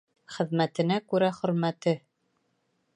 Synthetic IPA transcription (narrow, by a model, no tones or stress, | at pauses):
χɘ̆ðmæt̪ɘ̆nækʉɾæχɵ̆ɾmæt̪ɘ